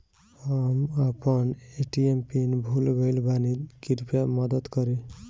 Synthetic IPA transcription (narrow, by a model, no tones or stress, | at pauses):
hamapʌneʈiempinbʱulɡejlbanikiɾupjamʌd̪əd̪kʌɾi